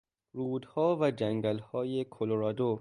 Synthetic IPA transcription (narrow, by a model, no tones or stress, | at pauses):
ɾuːd̪hɒːvæd͡ʒæŋɡælhɒːjekʰoloɾɒːd̪o